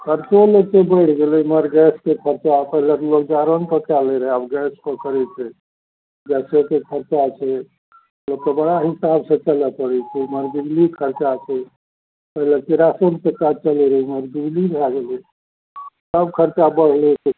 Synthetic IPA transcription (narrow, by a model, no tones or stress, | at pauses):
kʰəɾt͡ʃoləkebəɪʈʰɡelɛməɾɡɛskekʰəɾt͡ʃapəɦilekelok̚d͡ʒaɾonkəkaleɾəɦeabɡɛspəkəɾɛt͡ʃʰɛ | ɡɛsekekʰəɾt͡ʃat͡ʃʰɛ | mmət̪lob̚k̪əbəɽaɦisabsẽt͡ʃəlɛpəɽɛt͡ʃʰiməɾbiɡlikʰəɾt͡ʃat͡ʃʰɛ | pəɦilekeɾasonkekat͡ʃəlɛɾəməɾd̪ulibʱaɡelɛ | səbkʰəɾt͡ʃabəɽleki